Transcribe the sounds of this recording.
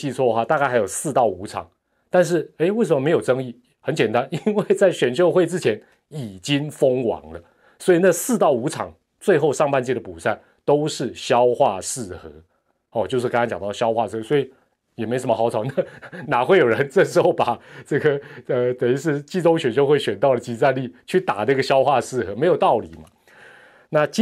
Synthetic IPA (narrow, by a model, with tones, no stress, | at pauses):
t͡ɕi˥˧t͡sʰwɔ˥˩ə˧xwa˥˧t̪a˥˧ka˥˩ɪxa˧˥jo˨˩ʊsɹ̩˥˧t̪ɑ˥˩ʊu˧˥ʈ͡ʂʰɑ̰˨˩˦ŋ | t̪a˥˧nʂ̬ɻ̩˥˩e˥ɪwe˥˩ɪʂ̬ə˨mə˧me˧˥ɪjo˨˩ʊʈ͡ʂɤ˥ŋi˥˩ | xə˨˦nt͡ɕjɛ˨˩nt̪a˦ni˥nwe˥˩ɪt͡sa˥˩ɪɕɥɛ˨˩nɕjo˥˧ʊxwe˥˩ɪt͡sɻ̩˥t͡ɕʰjɛ˧˥n | i˨˩t͡ɕi˦ŋfə˥ŋwɑ̰˧˦ŋlə˨ | swɔ˧˥i˨˩na˥˩sɹ̩˥˧t̪ɑ˥˩ʊu˧˥ʈ͡ʂʰɑ̰˨˩˦ŋ | t͡swe˥˧ɪxo˥˧ʊʂɑ˥˧ŋpa˥˧nt͡ɕɛ˥˩ɾə˩pu˨˩sa˥˩ɪ | t̪o˥ʊʂɻ̩˥˩ɕjɑ˦ʊxwa˥˧ʂɻ̩˥˩xɤ˧˦ | xɔ˨˩t͡ɕjo˥˧ʊʂ̬ɻ̩˥˩kŋkɑ̃˥ŋt͡ɕɑ˨˩ŋt̪ɑ˥˩ʊɕjɑ˥ʊxwa˥˧ʂɹ̩˥˩xɤ˧˥swɔ˧˥i˨˩ | jɛ˨˩me˧˥sə˧˦mə˧xɑ˧˥ʊt͡sʰɑ˨˦ʊna˥˩na˨˩xwe˥˩ɪjo˨˩ɻə˧˦nt͡sɤ˥˩ʂ̩˧˥xo˥˩ʊpa˨˩t͡sɤ˥˩ɡə˩ə˧t̪e˧˩i˧˥ʂ̬ɻ̩˥˧t͡ɕi˥˧t͡so˥ŋɕɥɛ˨˩nɕjo˥˧ʊxwe˥˩ɪɕɥɛ˨˩nt̪ɑ˥˩ʊd̪ə˩t͡ɕi˧˥˩t͡sa˥˧nli˥˩t͡ɕʰy˥˩t̪a̰˨˩ə˥˧ɡə˨˩ɕjɑ˥ʊxwa˥˧ʂɻ̩˥˩xɤ˧˥˦me˧˥ɪjʊt̪ɑ˥˩ʊli˨˩ma̰˨˦ | na˥˩t͡ɕ